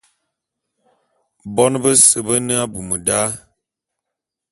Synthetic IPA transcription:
bɔ˦nbə˦sə˨bə˦nə˦a˦bu˨mə˨da˦

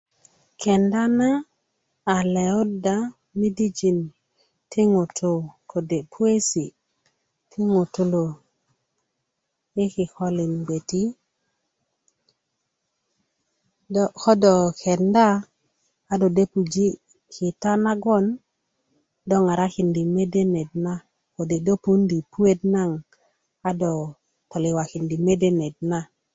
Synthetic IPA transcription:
kʰe˨nda˦naː˦˨ | le˨u˦da˨ | mi˦di˦d͡ʒi˨n | ti˦ŋu˨tʰu˦˨ko˨de˨pʰu˦e˦si˨ | tʰi˦ŋu˨tu˦lo˨ | i˦ki˨xo˦li˨nɡ͡be˨ti˦ | dxo˦dɔ˨ke˨ndaː˦ | do˨de˦pu˨d͡ʒi˦ | ki˨ta˦na˦ɡo˦n | do˦ŋa˨ɾa˦ki˨ndi˨me˦de˦ne˨d̚na˦ | ko˨de˨do˦pu˦ndi˨pu˦e˦dna˦ŋ | a˦dɔ˨ | to˨li˨wa˨ki˨ndi˨me˦de˦ne˨d̚na˦

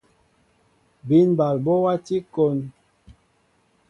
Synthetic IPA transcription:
bi˦nba˨lbɔ˦wa˦ti˦ko˦n

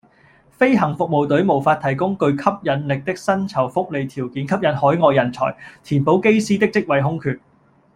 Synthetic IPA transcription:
fe˥jɦɐ˨˩ŋfʊ˨k̚mo˨wt̪ɵ˨˥ɥmo˨˩wfaː˧t̚t̪ʰɐ˨˩jkʊ˥ŋkɵ˧ɥkʰɐ˥p̚jɐ˨˥nlɪ˨k̚t̪ɪ˥k̚sɐ˥nt͡sʰɐ˨˩wfʊ˥k̚le˨˧jt̪ʰiː˨˩wkiː˨˥nkʰɐ˥p̚jɐ˨˥nhɔː˨˥jŋɔː˨˧jːɐ˨˩nt͡sʰɔ̰ː˨˩jt̪ʰiː˨˩npo˨˥wke˥jsiː˥t̪ɪ˥k̚t͡sɪ˥k̚wɐ˨˧jɦʊ˥ŋkʰyː˨˧t̚

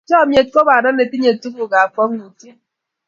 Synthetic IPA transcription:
t͡ʃɔ˦˨mje˨t̚ko˦ba˨na˦ne˨pi˦ɲe˨tu˦ku˨ɡa˨fɔ˦knu˨ti˦

